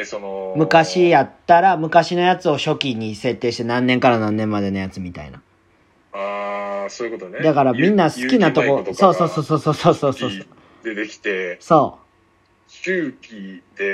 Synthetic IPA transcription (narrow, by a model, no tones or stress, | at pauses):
sonomɯ̟kaɕijat̪ːaɾamɯ̟kaɕino̞jat͡sɨo̞ɕo̞kʲiɲ̟ise̞t̪ːe̞ːɕi̥t̪e̞nãnːeŋkaɾanãnːẽ̞mːad̪e̞no̞jat͡sɨmʲit̪a̰ḭna | asoːikot̪oned̪akaɾamʲĩnːasɨ̥kʲinat̪okot̪so̞ːso̞ːsoːso̞ːso̞ːsoːsoːsoːo | d̪eekʲi̥t̪eso̞ː | kʲɯkʲid̪̥e